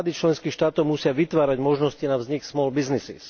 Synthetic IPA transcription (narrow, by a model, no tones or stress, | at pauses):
d̪it͡ʃlɛnskiːxʃt̪aːt̪ɔʊmusɪaʋit̪ʋaːɾaɟmɔʒnɔscinavzɲiksmɔːlbiznisḭs